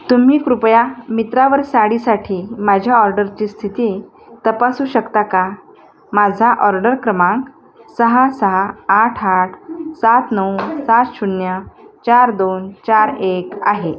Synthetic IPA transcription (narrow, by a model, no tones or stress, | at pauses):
t̪um̤iːkɾupjamit̪ɾaʋəɾsaɽiːsaʈʰiːmad͡ʑʱjaɔɾɖəɾt͡ɕiːst̪ʰit̪iː | t̪əpasuːɕəkt̪aka | mad͡zʱaʔɔɾɖəɾkɾəmãŋk | səɦasəɦaaʈʰaʈʰsat̪nəwsat̪ɕunjat͡ɕaɾd̪ont͡ɕaɾeka̰ɦe